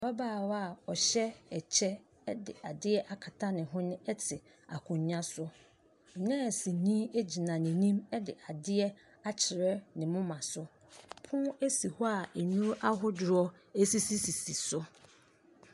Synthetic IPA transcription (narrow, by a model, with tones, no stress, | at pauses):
ba˦baː˦˨wa˨ɔ˨ɕɛ˦ɛ˨t͡ɕʰɛ˦ | ɛ˦dɪ̰˨a˨dɪ˦ɛ˦ʔa˨kʰa˨tʰa˦nɪ̃˨ɦʊ̃˦nʊ̃˦ɛ˦tʰɪ˨ | a̰˨kʰʊ̃˨ɲɲã˦sʊ˦˨ | nɛ̃˦˨sĩ˨nĩ˦e˦d͡ʑi˨nã˨nɪ̃˨nĩ˦mɛ˦dɪ˨ʔa˨dɪ˦ɛ˦ | a˦t͡ɕʰɪ˨ɾɛ˦nɪ̃˨mʊ̃˦mã˨sʊ˦ | pʰʊ̃˦e˦si˨hʊ˦a˨e˨nũ˦ɾʔa˦ɦʊ˦dʊ˨ɾɔ˦ | e˦si˦si˦si˨si˨sʊ˦